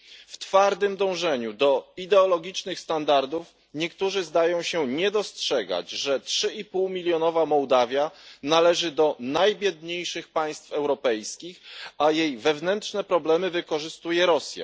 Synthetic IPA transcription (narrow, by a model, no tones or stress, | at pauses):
ft̪faɾd̪ɘmd̪ɔ̃w̃ʐɛɲud̪ɔid̪ɛɔlɔɡʲit͡ʂnɘxst̪and̪aɾd̪uf | ɲɛkt̪uʐɘzd̪ajɔ̃w̃ɕɛɲɛd̪ɔstʂɛɡa̰d͡ʑʐɛtʂɘipuwmʲilʲjɔnɔvamɔwd̪avʲjanalɛʐɘd̪ɔnajbʲjɛd̪ɲejʂɘxpaj̃st̪fɛwɾɔpɛjskʲixajejvɛvnɛntʂnɛpɾɔblɛmɘvɘkɔʐɘst̪ujɛɾɔsʲja̰